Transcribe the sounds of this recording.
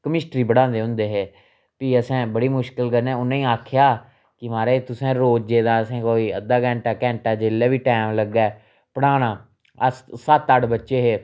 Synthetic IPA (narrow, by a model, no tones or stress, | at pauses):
kəmɪsʈɾiːbəɽãːnd̪eːɦʊ̃nd̪eːɦeː | piːəsɛ̃ːbəɽiːmʊʃkəlkəɾnẽːʊnẽːaːkʰɪjaː | kɪmaːɾeːt̪ʊsɛ̃ːɾoːd͡ʒeːd̪ãːəsɛ̃ːkoːiːəd̪aːkɛ̃ːɳʈaːkɛ̃ːɳʈaːd͡ʒeːlːɛːʋiːʈɛːmləɡːɛː | pəɽaːnãː | əssət̪ːəɽbətːʃeːɦeː